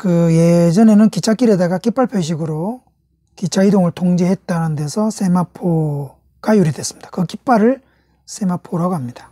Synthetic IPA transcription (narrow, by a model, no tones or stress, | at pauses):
kɯje̞d͡ʑʌne̞nɯnkit͡ɕʰak͈iɾe̞daɡak͈ip͈aɭpʰjeɕ̬ʰiɡɯɾo | kit͡ɕʰaidoŋɯɭtoŋd͡ʑiɦet̚t͈anɯnde̞sʰʌs͈ʰemapʰo | ɡ̥ajuɾidwe̞s͈ɯmɲid̥ḁkɯk͈ip͈aɾɯɭ | s͈ʰemapʰoɾʌɡamɲid̥ḁ